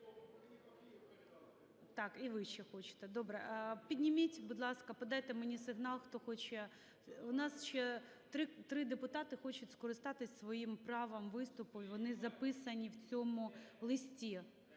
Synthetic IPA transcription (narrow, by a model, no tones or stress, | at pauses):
t̪ɑkiʋɪʃt͡ʃɛxɔt͡ʃɪ̥t̪ɛd̪obɾɛpʲidʲnʲimʲitʲbʊd̪lˠɑskɐpɐd̪ɑjt̪ɛmenʲisɪɦnɑlˠxt̪ɔxɔt͡ʃɛ | ʊnɑsʃɛ | t̪ɾɪt̪ɾɪd̪epʊt̪ɑt̪ɪxɔt͡ʃʊtʲskɔɾɪst̪ɑt̪ɪsʲsʋɔjimpɾɑʋɐmʋɪst̪ʊpʊʋɔnɪzɐpɪsɐnʲiwt͡sʲɔmʊlˠɪsʲtʲi